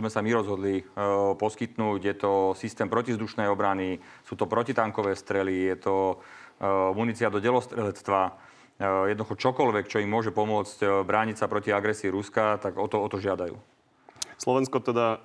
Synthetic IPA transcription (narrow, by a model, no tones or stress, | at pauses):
zmɛsamiɾɔzɦɔd̪lipɔskit̪nuːɟjɛt̪ɔsist̪ɛːmpɾɔcivzd̪uʃnɛjɔbɾanisuːt̪ɔpɾɔcit̪aŋkɔʋɛːst̪ɾɛlijɛt̪ɔ | munit͡siad̪ɔɟɛlɔst̪ɾɛlɛt͡st̪ʋa | jɛd̪nɔduxɔt͡ʃɔkɔlʋɛkt͡ʃɔimːʊɔʒɛpɔmʊɔt͡scbɾaːɲicsapɾɔciaɡɾɛsiːɾuskat̪aɡɔt̪ɔɔt̪ɔʒɪad̪ajṵː | slɔʋɛnskɔt̪ɛd̪a